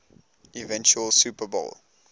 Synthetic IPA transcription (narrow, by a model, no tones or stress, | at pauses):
ivɛ̃nt͡ʃuəlsuːpəbo̰l